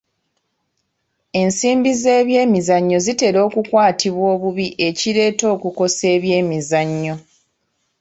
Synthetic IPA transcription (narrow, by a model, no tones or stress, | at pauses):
e̞nsiːmbize̞ːβje̞ːmizaɲːo̞zite̞ɾo̞ːkukwaːtʰiβwo̞ːβuβiʔe̞ciɾe̞ːto̞ːkuko̞se̞ːβje̞ːmizaɲːo̞